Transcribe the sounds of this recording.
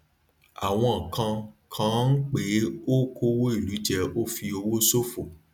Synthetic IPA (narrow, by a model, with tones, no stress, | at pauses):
a̰˨w̃ɔ̃˧˨kʰã˧kʰã˨˦n̩˦k͡pe˨˦o˦kʰo˦wo˦i˦˨lu˨˦d͡ʒɛ˧o˦fi˧o˧wo˦so˦fo˨